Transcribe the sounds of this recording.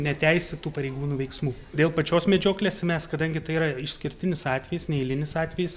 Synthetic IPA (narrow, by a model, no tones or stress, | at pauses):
nʲɛt̪ʲɛɪsʲɪt̪uːpɐɾʲɛɪɡuːnuːʋʲɛɪksmuː | d̪ʲeːlˠpɐt͡ʃʲoːsmʲɛd͡ʒʲoːklʲeːsmʲɛskɐd̪ɐŋʲɡʲɪt̪ɐɪiɾɐɪʃsʲkʲɪɾʲt̪ʲɪnʲɪsɑːt̪ʲʋʲɛjɪsnʲɛɪlʲɪnʲɪsɑːt̪ʲʋʲɛjɪs